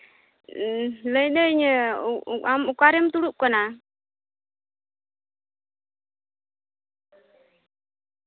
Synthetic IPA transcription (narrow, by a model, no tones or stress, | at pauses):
ləjnəiɲə | amukaɾɛmt̪uɽuʔ̚kana